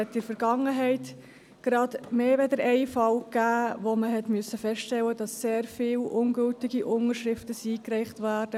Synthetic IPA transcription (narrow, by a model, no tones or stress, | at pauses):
ɛtːɪɾfəɾɡɑŋəɦɛɪt | ɡ̥ɾɑd̥meːʋɛdəɾɛɪfɑlkːæːʋoməɦɛtmʏəsːəfɛstɛlːədɑsːeːɾfiːlʔʊnɡɵltɪɡiʔʊnəɾʃɾɪftəsiːkrɛɪχtvæːɾd̥ə